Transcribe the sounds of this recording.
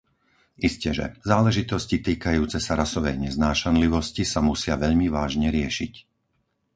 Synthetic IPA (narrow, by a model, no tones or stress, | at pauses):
ʔiscɛʒɛ̰zaːlɛʒit̪ɔscit̪iːkajuːt͡sɛsaɾasɔʋɛ̰jɲɛznaːʃanliʋɔscisamusɪaʋɛʎmiʋaːʒɲɛɾɪɛʃic